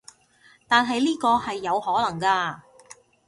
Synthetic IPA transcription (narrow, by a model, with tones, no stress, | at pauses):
t̪aː˨nɦɐ˨jliː˥kɔː˧hɐ˨jːɐ˨˧whɔː˨˥lɐ˨˩ŋkaː˧